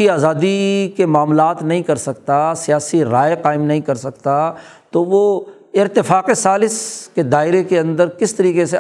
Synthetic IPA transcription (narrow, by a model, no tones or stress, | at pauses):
iaːzaːd̪ikemaːmlaːt̪nɐɦĩkɐɾsɐkt̪asijaːsiɾaːjeqaːɪmnɐɦĩkɐɾsɐkt̪a | t̪oʋo | ɪɾt̪ɪfaːqesaːlɪsked̪aːɪɾekeɐ̃nd̪əɾkɪst̪ɐɾiːqese